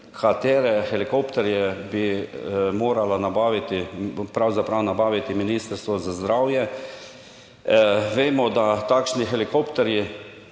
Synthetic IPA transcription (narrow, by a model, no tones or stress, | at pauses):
kʰat̪eːɾɛxɛlikopt̪ɛɾjɛbi | moːɾalanabaːʋit̪ipɾawzapɾawnabaːʋit̪iminiːst̪əɾst̪ʋɔzazd̪ɾawjɛ | ʋeːmɔd̪at̪aːkʃnixɛlikopt̪ɛɾji